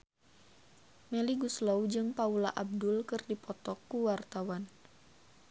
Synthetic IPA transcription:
mɛliɡuslawd͡ʒɨŋpaulaʔab̚dulkɨrdipɔt̪ɔkːuwart̪awan

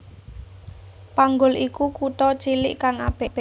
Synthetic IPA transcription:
paŋɡʊlʔikukut̪ɔt͡ʃilɪʔkaŋa̰b̥eʔb̥e

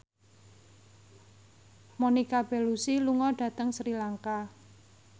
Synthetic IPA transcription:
monikab̥e̤lusiluŋɔɖ̥ä̤t̪əŋsɾilaŋka

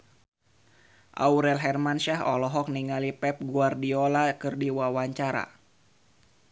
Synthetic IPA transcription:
ʔa̰uɾɛlɦɛrmanʃaɦɔ̰lɔɦɔk̚niŋalipɛp̚ɡuardiolakɨrdiwawaɲt͡ʃaɾa̰

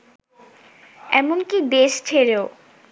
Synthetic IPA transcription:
ɛ̰monkib̪eʃt͡ɕʰeɾeo

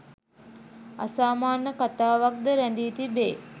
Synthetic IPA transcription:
a̰saːmaːnːəkat̪aːʋak̚d̪əɾænd̪iːt̪ibeː

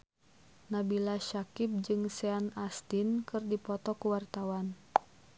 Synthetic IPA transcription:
nabilaʃakɪp̚d͡ʒɨŋsɛanast̪inkɨrdipɔt̪ɔkuwart̪awan

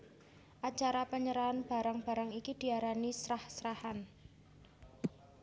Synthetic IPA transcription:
ʔat͡ʃaɾapəɲəɾaanb̥a̤ɾaŋb̥a̤ɾaŋikid̪̥i̤aɾanisɾahsɾahan

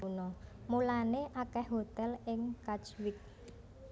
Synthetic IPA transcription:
unɔmulaneʔakɛhɦot̪ɛlɪŋkat͡ʃwɪk̚

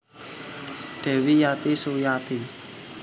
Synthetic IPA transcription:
ɖ̪̥ɛ̤wijat̪isojat̪i

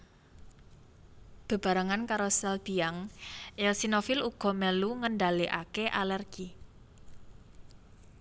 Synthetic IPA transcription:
b̥ə̤b̥a̤ɾaŋankaɾosɛlb̥iaŋʔɛlsinofiluɡ̥ɔ̤mɛluŋənɖaliʔa̰keʔalɛrɡ̥i

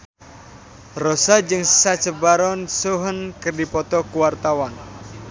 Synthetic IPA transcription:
rɔsad͡ʒɨŋsat͡ʃəbaɾɔnsuɦənkərdipɔt̪ɔkuwart̪awan

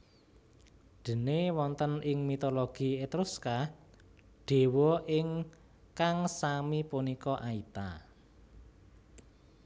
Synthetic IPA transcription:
ɖ̪̥ə̤newɔnt̪ənɪŋmit̪oloɡ̥iet̪ɾuska | ɖ̥e̤wɔʔɪŋ | kaŋsamipunikɔʔait̪a̰

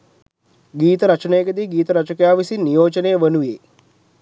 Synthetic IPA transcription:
ɡiːt̪əɾɐt͡ʃənəjəɡəd̪iːɡiːt̪əɾɐt͡ʃəkejaːʋisinːijoːt͡ʃənejːəʋənuʋeː

